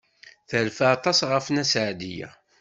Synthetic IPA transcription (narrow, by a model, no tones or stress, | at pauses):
θəlfaɑt̪ˤɑsʁəfnæsʕd̪ijæ̰